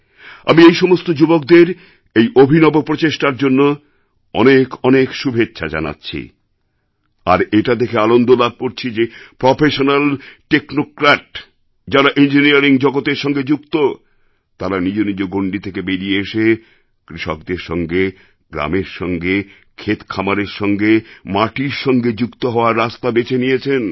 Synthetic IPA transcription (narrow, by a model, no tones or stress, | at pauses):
a̰miejʃɔmost̪od͡ʑubok̚d̪eɾ | ejʔobʱinɔbopɾot͡ɕeʃʈaɾd͡ʑonːo | ɔ̰nekɔnekʃubʱetːɕʰad͡ʑa̰na̰tːɕʰḭ | a̰ɾeʈad̪ekʰeanond̪olab̚ʱkoɾt͡ɕʰid͡ʑepɾopeʃonalʈeknokɾaʈ | d͡ʑaɾaʔind͡ʑiniaɾiŋd͡ʑɔɡot̪eɾʃɔŋɡed͡ʑukt̪o | t̪aɾanid͡ʑonid͡ʑoɡoɳɖit̪ʰekebeɾieeʃe | kɾiʃok̚d̪eɾʃɔŋɡe | ɡɾa̰meɾʃɔŋɡe | kʰet̪kʰamaɾeɾʃɔŋɡemaʈiɾʃɔŋɡed͡ʑukt̪oɦɔoaɾːast̪abet͡ɕʰenijet͡ɕʰen